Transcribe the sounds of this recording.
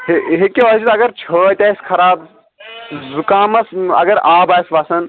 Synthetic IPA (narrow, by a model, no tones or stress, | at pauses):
ɦeɦikeot͡ʃʰit̪ɐɡɐɾt͡ʃʰət̪ɐːskʰɐɾaːb | zukaːmɐsɐ̰ɡɐɾaːbaːjsʋaːsɐn